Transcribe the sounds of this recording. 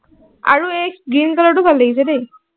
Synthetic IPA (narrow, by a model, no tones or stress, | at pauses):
a̰ɹuekɡinkalɔʈubʱalːeɡisɛdej